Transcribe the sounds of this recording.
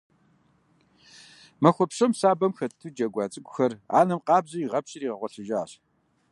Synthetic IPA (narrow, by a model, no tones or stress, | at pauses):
mɐxʷɔpɕɐmsaːbɐmxɐtʰtʰud͡ʒɐɡʷɑːt͡sʼɨɡʷʊxɐra̰ːnɐmqɑːbzɐiʁɐpɕʼɪriːʁɐʁʷɔɬɨʒaaːɕ